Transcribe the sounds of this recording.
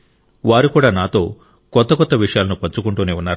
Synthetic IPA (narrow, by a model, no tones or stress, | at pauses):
ʋaːɾukuːɽaːnaːt̪o̞ː | kɔt̪ːɐkɔt̪ːɐʋiʂɐjaːlɐnupɐɲt͡ʃukuɳʈuːneːunːaːɾ